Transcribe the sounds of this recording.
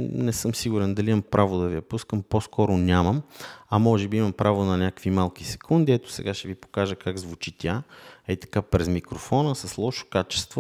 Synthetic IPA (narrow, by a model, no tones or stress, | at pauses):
nɛsɤmsiɡuɾɛnd̪ɐliimɐmpɾʔavʊd̪ɐviɐpuskəmposkɔɾʊnʲaməmɐmɔʒɛbiimɐmpɾavonɐnʲakə̥kvimalˠkisɛ̥kʰund̪iɛt̪ʊ̥sɛ̰ɡaʃɛvipo̥kaʒəkaɡzvut͡ʃit̪ʲjaɛit̪ɐ̥kapɾɛzmikɾofɔnəsɐslˠɔʃo̥kat͡ʃɛ̥st̪vo